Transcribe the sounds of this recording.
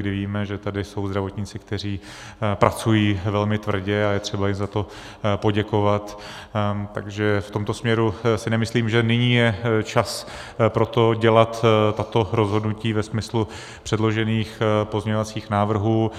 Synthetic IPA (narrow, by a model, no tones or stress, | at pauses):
ɡdɪviːmɛʒɛt̪adɪso̞wzd̪ɾavo̞t̪ɲɪt͡sɪkt̪ɛr̝iː | pɾat͡sujiːvɛlmɪt̪vr̩ɟɛajɛt̪r̝̥ɛbajɪmzat̪o̞ | po̞ɟɛko̞vat̪ | t̪aɡʒɛft̪o̞mt̪osmɲɛɾusɪnɛmɪsliːmʒɛnɪɲiːjɛt͡ʃas | pɾo̞t̪o̞ɟɛlat̪t̪ːat̪o̞ɾo̞zɦo̞dnuciːvɛsmɪslu | pr̥ɛdlo̞ʒɛniːxpo̞zɲɛɲovat͡siːxnaːvr̩ɦuː